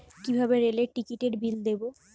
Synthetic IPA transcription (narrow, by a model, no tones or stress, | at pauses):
kibʱabeɾeleʈikiʈeɾbild̪ebo